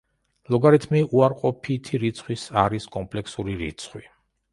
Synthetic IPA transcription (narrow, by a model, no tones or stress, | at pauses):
lˠɔɡaɾit̪ʰmiuaɾqʼɔpʰit̪ʰiɾit̪sʰχwisaɾiskʼɔmpʼlɛksuɾiɾḭt̪sʰχwi